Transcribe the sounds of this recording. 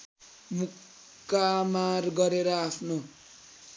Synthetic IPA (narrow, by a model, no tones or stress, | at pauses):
mukː | amarɡʌɾeɾʌapʰno